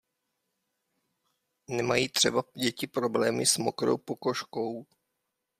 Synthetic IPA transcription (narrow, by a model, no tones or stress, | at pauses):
nɛmajiːt̪r̝̥ɛbaɟɛcɪpɾoblɛːmɪsmokɾo̰wpokoʃkow